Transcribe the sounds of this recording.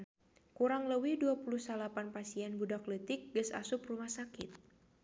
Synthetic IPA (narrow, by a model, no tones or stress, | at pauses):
kuɾaŋləwiduapuluhsalapanpasiɛnbudaklət̪ɪk̚ɡəsa̰sʊprumahsakɪ̰t̪̚